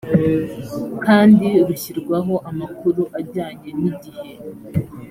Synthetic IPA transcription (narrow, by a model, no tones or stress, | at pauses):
kaːndiɾuçiɾɡwaɦo̞ʔamakuɾuʔaɾɟaːɲe̞niɟihe̞